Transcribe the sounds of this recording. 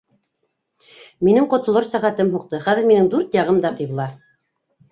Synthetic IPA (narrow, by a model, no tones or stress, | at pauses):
minɘŋqŏt̪ŏlˠɤɾsæʁæt̪ɘmɦuqt̪ɤχæðɘ̆ɾminɘŋd̪ʉɾt̪jɑʁɤmd̪ɑqɤ̆jβɤ̆lˠɑ